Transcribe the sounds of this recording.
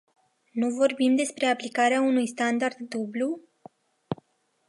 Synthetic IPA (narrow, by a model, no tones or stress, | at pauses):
nuvo̞rbimd̪e̞spɾe̞aplikaɾeaunujst̪and̪ard̪ːublu